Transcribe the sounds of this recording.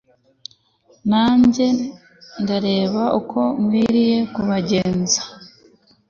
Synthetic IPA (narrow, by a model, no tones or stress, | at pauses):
naːɲɟe̞ | ndaɾe̞ːβaʔukʰo̞mwiːɾije̞kuβaɟe̞ːnzḁ